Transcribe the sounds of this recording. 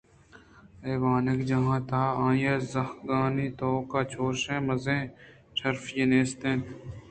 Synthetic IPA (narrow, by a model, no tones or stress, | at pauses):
eːʋaːnɪkd͡ʒɐɦãːt̪ʰaːãːjeːzɐxɡaːniːt̪oːkaːt͡ʃʰoːɾʃẽːmɐzẽː | ʈʰɐɾfjeneːst̪ẽːn